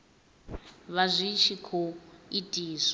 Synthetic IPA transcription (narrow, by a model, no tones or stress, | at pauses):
βazʷiʃikʰoitʼiːsɔ